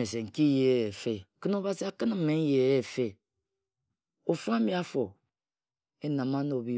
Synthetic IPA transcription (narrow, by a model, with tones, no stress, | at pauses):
e˨se˨ŋ̩˨ki˦je˦e˨fe˦kɨ˦no˦βa˨si˨˦a˨kɨ˦n˦˨m̩˦me˨n̩˦je˨˦e˦˨fe˦ | o˨fa˦mi˨˦a˦fo˨ | e˦na˨ma˦no˨bi˦